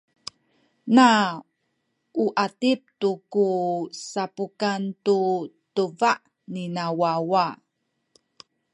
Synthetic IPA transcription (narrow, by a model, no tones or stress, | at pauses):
na | uʔatip̚tukusapukantutəvaʔ | ninawawa